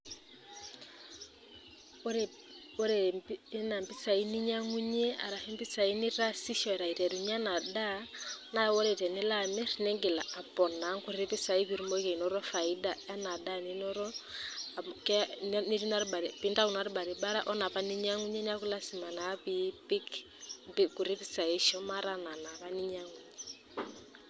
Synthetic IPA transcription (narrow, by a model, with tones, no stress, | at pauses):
ɾ | o˦ɾe˨˦na˨mbi˦sa˨i˦ni˦ɲa˦ŋu˦ɲe˦a̰˨ɾa˨he˦mbɪ˦sa˨i˦ni˦ɾa˦si˦ʃɔ˨ɛ˨ɾa˨i˨ɾɛ˨ɾu˨ɲ˦a˦na˨da˦na˦˨wɔ˦ɾe˨tɛ˨nɪ˦la˦˨me˦ɾne˦ŋɡɪ˨la˨a˨pɔ˨na˨˦ŋku˦ɾɾe˦pɪ˦sa˨i˦βi˨ɾu˦mo˦i˦ke˨i˨nɔ˦ɾɔ˦fa˨i˦da˨a˦na˨da˦ni˦nɔ˦ɾɔ˦˨ | kɛ˦ni˦ɾi˦na˦ɾba˨ɾpi˦nda˦u˨n˨a˦ɾi˦ba˨ɾi˨ba˦ɾa̰˦ʔɔ˦na˨pa˦ni˦ɲa˦ŋu˦ɲe˦n˦a˦ku˦la˦si˨ma˨na˨˦pi˦pɪ˦k | mbku˨ɾe˦pi˦t͡sa˨i˦ʃɔ˦ma˦ɾa˦na˨na˨βa˦ni˦ɲa˦ŋu˨ɲe˦